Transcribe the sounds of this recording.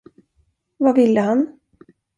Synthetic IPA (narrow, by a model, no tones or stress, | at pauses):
vavɪlːəɦan